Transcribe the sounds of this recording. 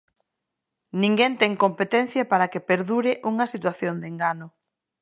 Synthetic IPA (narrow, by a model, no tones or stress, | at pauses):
nĩŋɡɛnt̪ɛŋkompet̪ɛnθjɐpaɾɐkepeɾðuɾɪʔuŋɐsit̪waθjond̪eŋɡanʊ